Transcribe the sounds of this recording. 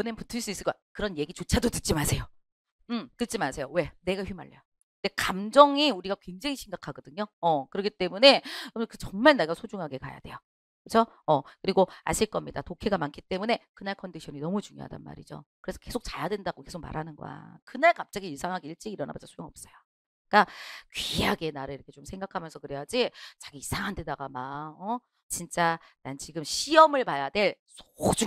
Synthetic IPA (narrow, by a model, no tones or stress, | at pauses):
ʌnenputʰɯɭs͈uis͈ɯɭkoakɯɾʌnje̞ɡit͡ɕot͡ɕʰadotɯ̥t̚t͡ɕ͈ʰimasʰe̞jo | ɯmtɯt͡ɕ͈imasʰe̞jowe̞ne̞ɡaɸɥima̰ɭːḛjo | nde̞kamd͡ʑʌŋiuɾiɡakwe̞ŋd͡ʑaŋiɕʰiŋɡakʰaɡʌdɯɲoʌkɯɾʌɡit͈e̞mune̞ʌmkɯt͡ɕʌŋmaɭneɡasʰod͡ʑuŋɦaɡe̞kwa̰ja̰dwe̞̰jo | kɯt͡ɕʰʌ | ʌkɯɾiɡoa̰ɕʰiɭk͈ʌmɲidatokʰeɡamankʰit͈e̞mune̞kɯnaɭkʰʌndiɕʰʌninʌmut͡ɕuŋjo̰ɦa̰da̰nma̰ɾḭd͡ʑo̰kɯɾe̞sʰʌ̥ke̞sʰok̚t͡ɕajadwe̞ndaɡoke̞sʰok̚ma̰ɾɦanɯnɡʌ̰a̰kɯnaɭkap̚t͡ɕ͈aɡiiɭsʰaŋɦaɡeiɭt͡ɕ͈iɡiɾʌnambasasʰojoŋʌp̚s͈ʌjo | k͈akɥiaɡe̞naɾɯɭiɾʌkʰet͡ɕomsʰe̞ŋɡakʰamjʌnsʰʌkɯɾejad͡ʑit͡ɕḁɡiisʰaŋɦande̞daɡamaʌ | t͡ɕint͡ɕ͈a | nant͡ɕiɡɯmɕʰiʌmɯɭpajade̞ɭsʰod͡ʑu